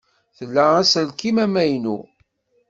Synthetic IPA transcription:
θəlːææsəlkimæmæjnṵ

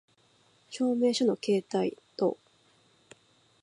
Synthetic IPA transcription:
ɕo̞ːme̞ːɕono̞ke̞ːt̪ait̪o̞̰

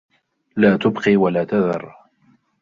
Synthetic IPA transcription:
laːt̪ʊbqiːwalaːt̪aðɑ̰rˤ

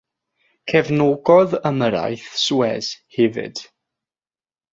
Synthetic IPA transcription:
kʰɛvnoːɡɔðəməɾa̰jθswɛshɛvɪ̰d̥

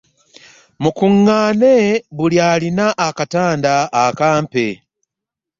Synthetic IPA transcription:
mukuŋːaːneβuljaːlinaʔːkataːndaːkaːmpe

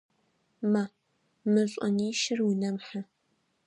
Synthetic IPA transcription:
ma | mɨɕʷʼɐniːʃɪrwnɐmħa

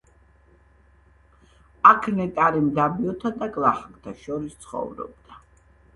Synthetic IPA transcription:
akʰnɛt̪ʼaɾimd̪abiɔt̪ʰad̪aɡʼlaχakt̪ʰaʃɔɾist̪sʰχɔ̰vɾɔ̰bd̪̥a

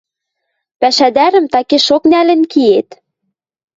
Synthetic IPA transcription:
pæʃæd̪æɾɘ̆mt̪ɑkeʃoknælɘ̆nkiet̪

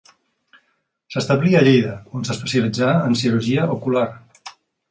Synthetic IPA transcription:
səst̪əβliəʎejðəonsəspəsjəlid͡zaːnsiɾuʒiəʔokular

